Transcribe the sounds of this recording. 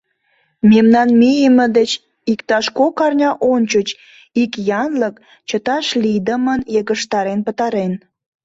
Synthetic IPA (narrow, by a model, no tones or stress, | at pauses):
memnɑnmijəmə̆d̪et͡ɕ | ikt̪ɑʃkokɑrnʲɑʔonʲt͡ɕət͡ɕ | ikjɑnlək | t͡ɕət̪ɑʃlid̪əmənjəɣəʃt̪ɑɾenpət̪ɑɾen